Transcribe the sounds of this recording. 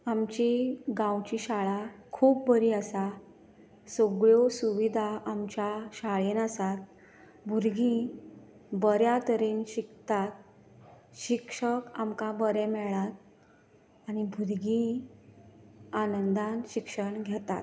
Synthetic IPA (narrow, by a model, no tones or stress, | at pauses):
amt͡ɕiɡãwt͡ɕiɕaɭakʰuːp̚bəɾiːasa | soɡɭosuʋid̪ʱaʔamt͡ɕjaɕaɭenasat̪̚ | bʱuɾɡi | bəɾjat̪əɾinɕikt̪at̪̚ | ɕikʂəkamkãbəɾɛmɛɭat̪̚ | añibʱuɾɡi | anənd̪anɕikʂəɳɡʱjet̪a̰t̪